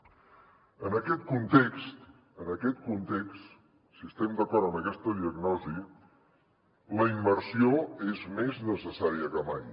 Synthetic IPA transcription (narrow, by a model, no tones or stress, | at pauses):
ənəkɛt̪̚kunt̪ekst̪ | ənəkɛt̪̚kunt̪ekst̪ | siəst̪ɛmd̪əkɔɾt̪ənəkɛst̪əðiəɡnɔzi | ləimːəɾsioezmeznəsəsaɾiəkəmaj